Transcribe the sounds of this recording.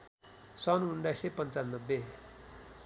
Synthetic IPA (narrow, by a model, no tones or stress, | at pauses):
sʌnunɖajsepʌnt͡sannːʌbːe